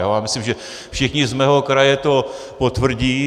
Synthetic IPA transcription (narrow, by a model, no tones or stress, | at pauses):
oaːmɪslimʒɛ | fʃɪxɲɪzmɛːɦo̞kɾajɛt̪o̞ | pot̪vr̩ɟiː